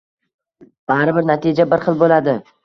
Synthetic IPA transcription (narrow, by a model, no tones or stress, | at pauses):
b̥aɾɪbɪɾnat̪ʰid͡ʒabɪɾχɨlˠbolad̪ɪ